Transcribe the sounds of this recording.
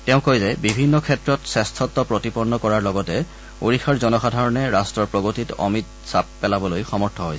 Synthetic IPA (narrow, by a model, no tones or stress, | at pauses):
tɛʊ̃kojzɛbibʱinːɔkʰɛtɹɔtsɛstʰɔtːɔpɹotipɔɹnːɔkɔɹaɹlɔɡɔtɛ | o̰ɹixʰaɹzɔnɔxadʱaɹɔnɛɹastɹɔɹpɹɔɡotitɔ̰mit | sap̚ːɛlabɔlojxɔmɔɹtʰɔɦojsɛ